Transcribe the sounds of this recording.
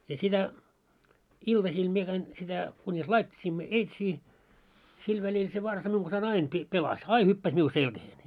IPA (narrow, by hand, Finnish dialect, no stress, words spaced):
jɑ sitæ iltɑsiːl mie kæin sitæ kunʲis lɑitʲːisiːmːo eitsiː sil ʋælil se ʋɑrsɑ miuŋ ɡ̊ɑnsɑin ɑin pi pelɑs ɑi hypːæs miu selkæheːn